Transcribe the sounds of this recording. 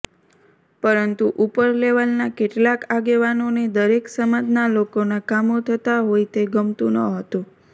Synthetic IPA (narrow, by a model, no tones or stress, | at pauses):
pəɾənt̪uʔupəɾleʋəlnakeʈlakaɡeʋanoned̪əɾeksəmad͡ʒnalokonakamot̪ʰət̪aɦojt̪eɡəmt̪ũnəɦət̪ũ